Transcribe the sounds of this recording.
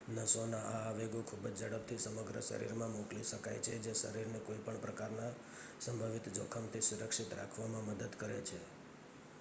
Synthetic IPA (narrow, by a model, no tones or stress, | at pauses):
nəsonãʔaːʋeɡokʰubəd͡ʒd͡ʒəɽəb̚t̪ʰisəməɡɾə̰ʃə̰ɾḭɾmãmokliʃəkajt͡ʃʰed͡ʒeʃə̰ɾiɾnekoipəɳpɾəkaɾna | səmbʱaʋit̪d͡ʒo̰kʰəmt̪ʰisuɾəkʂit̪ɾa̰kʰʋamãməd̪əd̪kəɾet͡ʃʰe